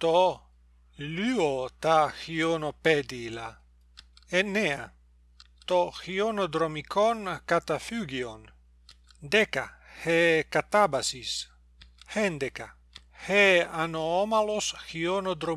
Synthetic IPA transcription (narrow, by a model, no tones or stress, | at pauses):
t̪o | lyot̪axionoped̪ila | enːea̰ | t̪oxionod̪ɾomikʰonkat̪afyɡion | d̪eka̰hekat̪abasis | hend̪eka̰ | heanoomalosxionod̪ɾo